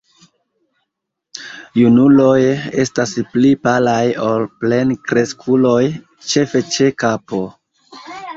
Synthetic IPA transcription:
junulo̞je̞̰stasplipalajo̞lple̞nkɾe̞skʰulo̞j | t͡ʃe̞fe̞t͡ʃe̞kapo̞

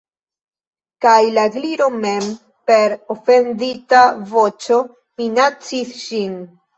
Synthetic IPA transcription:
kajlaɡliɾo̞me̞m | pe̞ɾofe̞nditavo̞t͡ʃo̞ | minat͡sisʃin

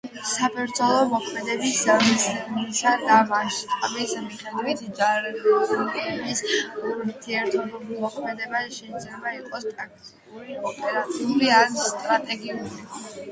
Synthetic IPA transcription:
sapʰɛɾd̪zɔlˠɔmɔkʰmɛd̪ɛbiszamsmisad̪amaʃt̪ʼmismiχɛd̪vit̪ʰd͡ʒaɾɛ | bisɾt̪ʰiɛɾt̪ʰɔbɛmɔkʰmɛd̪ɛbaʃɛid̪zlɛbaiqʼɔst̪ʼak̚ʰt̪ʼikʼuɾiɔpʼɛɾat̪sʰiulianst̪ʼɾat̪ʼɛɡiuli

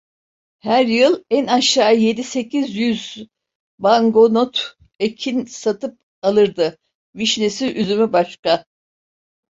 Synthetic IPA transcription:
hæɾjɯlˠænaʃaːje̞d̪ise̞cʰizjyz | baŋɡo̞not̪ | ecʰinsat̪ʰɯp̚ | alˠɯɾd̪ɯ | viʃnesiʔyzymybaʃka

